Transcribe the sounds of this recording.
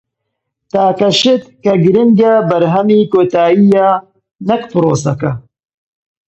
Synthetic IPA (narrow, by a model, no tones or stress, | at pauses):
t̪aːkɐʃɪt̪kɐɡɨɾinɡabɐɾɦɐmiːkoːt̪aːijaː | nɐkpɨɾoːsɐkɐ